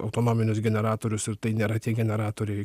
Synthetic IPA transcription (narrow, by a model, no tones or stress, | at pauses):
ɐ̰ʊt̪oːnoːmʲɪnʲʊsɡʲɛnʲɛɾɑːt̪oːɾʲʊsɪɾt̪ɐɪnʲeːɾɐt̪ʲiɛɡʲɛnʲɛɾɑːt̪oːɾʲɛɪ